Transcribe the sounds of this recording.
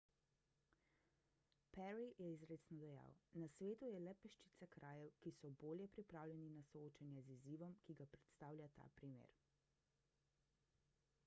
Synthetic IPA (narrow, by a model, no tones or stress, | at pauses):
pɛɾijɛizɾeːt̪snɔd̪ɛja̰wnasʋeːt̪ujɛlɛpɛʃt͡ʃit̪sakɾʔaːjɛwkisɔboːljɛpɾipɾaːwlʲjɛninasɔoːt͡ʃanjɛziziːʋɔmkiɡapɾɛt̪st̪aːwlʲat̪a̰ːpɾimḛɾ